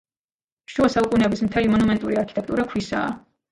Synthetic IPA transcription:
ʃuasaukʼunɛbismt̪ʰɛlimɔnumɛnt̪ʼuɾiaɾkʰit̪ʼɛk̚t̪ʼuɾakʰwisa̰ː

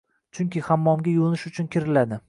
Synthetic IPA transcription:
t͡ʃʰʊŋkʲɪhamːɒmɡʲajonɪʃʊt͡ʃʰʊnkʲʰɪɾɪlad̪ɪ

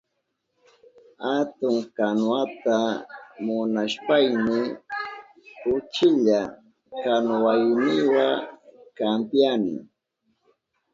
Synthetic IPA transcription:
hat̪ʊŋkanwat̪amʊnaʃpajmɪ | ʊt͡ʃɪʎa | kanwajnɪwakampjanɪ̰

